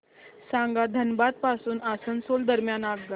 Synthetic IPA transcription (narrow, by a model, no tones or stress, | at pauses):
sãŋɡad̪ʱənbad̪̚pasuːnasənsold̪əɾmjanaɡɡə